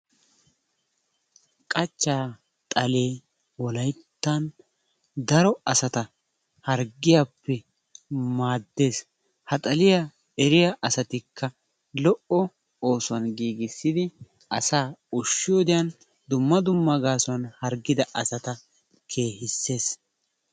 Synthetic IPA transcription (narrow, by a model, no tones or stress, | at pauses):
kʼɐt͡ʃːaː | t̪ʼɐle̞ː | wɔlɐjt̪ːɐn | d̪ɐɾɔɐsɐt̪ɐ | hɐɾɡːɪjapːɛ | maːd̪ːe̞ːs | hɐt̪ʼɐlɪja | ɛɾɪjɐʔɐsɐt̪ɪkʰːɐ | lɔʔɔ | oːsʊɐnɡiːɡɪsːɪd̪ɪ | ɐsaːʊʃːɪjod̪ɪjɐn | d̪ʊmːɐd̪ʊmːɐɡaːsʊɐnhɐɾɡːɪd̪ɐʔɐsɐt̪ɐ | kʰe̞ːhɪsːe̞ːs